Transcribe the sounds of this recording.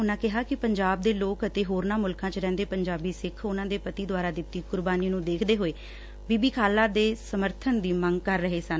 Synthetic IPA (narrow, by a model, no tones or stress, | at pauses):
ʊnãːkɪɦaːkɪpəɲd͡ʒaːb̚d̪eːloːkət̪eːɦoːɾnãːmʊlkãːt͡ʃɾɛ̃ːnd̪eːpəɲd͡ʒaːbiːsɪkʰʊnãːd̪eːpət̪iːd̪ʊaːɾaːd̪ɪt̪ːiːkʊɾbaːniːnũːd̪eːkʰd̪eːɦoːeː | biːbiːkʰaːlãːd̪eːsəməɾt̪ʰənd̪iːmə̃ŋɡkəɾːəɦeːsən